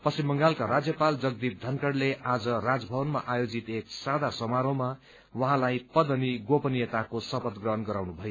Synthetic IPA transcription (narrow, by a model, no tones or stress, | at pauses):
pʌsimbʌŋɡalkaɾad͡zjʌpald͡zʌɡd̪ip̚d̪ʱʌnkʌɽleʔad͡zʌrad͡zbʱʌbʌnmaʔajod͡zit̪eksad̪ʱasʌmaɾoma | wʌɦãlajpʌd̪ʌniɡopʌnijʌt̪akosʌpʌt̪ɡrʌɦʌnɡʌɾawnubʱʌjo